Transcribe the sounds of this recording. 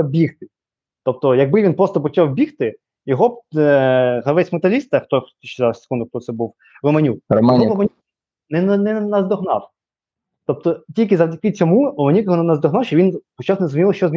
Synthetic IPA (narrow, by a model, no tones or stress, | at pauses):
ɐbʲixt̪ɪ | t̪ɔp̚t̪ɔjɐɡ̚bɪʋʲinpɾɔst̪ɔpɔt͡ʃawbʲixt̪ɪ | jɔɦɔ | ɦɐʋɛsʲmɐt̪ɐlʲist̪ɐxt̪ɔʃɪzˠse̥kund̪ʊk̚t̪ɔsɛbuw | ɾɔmɐnʲuk̚rɔmɛnɔɔmɐnʲ | nɛnɛnɐzd̪ɔɦnɑw | t̪ɔp̚t̪ɔtʲilʲkɪzɐwdʲikɪt͡sʲɔmuɾɔmɐnʲukjɔɦɔnnɐzd̪ɔɦnɑwʃt͡ʃɔʋʲinpɔt͡ʃɑwnɛzmʲinʲilˠɔʃt͡ʃɔzmʲ